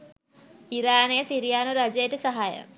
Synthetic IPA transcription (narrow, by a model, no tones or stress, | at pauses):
iɾaːnejəsiɾijaːnuɾad͡ʒəjəʈəsaɦajə̰